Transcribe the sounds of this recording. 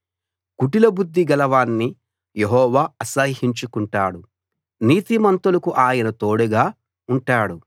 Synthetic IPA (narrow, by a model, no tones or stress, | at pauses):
kuʈilɐbud̪ʱːiɡɐlɐʋaːnːi | jeɦɔːʋaːɐsɐhiɲt͡ʃukuɳʈa̰ːɽu | niːt̪imɐnt̪ulɐkuʔaːjɐnɐt̪oːɽuɡaː | uɳʈaːɽu